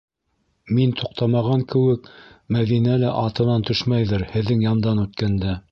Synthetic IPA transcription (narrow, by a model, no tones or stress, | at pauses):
mint̪ʰuq̚t̪ɑmɑʁɑŋkɘ̆wɘkmæðinælæʔɑt̪ɤ̆nɑnt̪ɵʃmæjðɤɾhɘ̆ðːɘŋjɑmd̪ɑnʉt̪kænd̪æ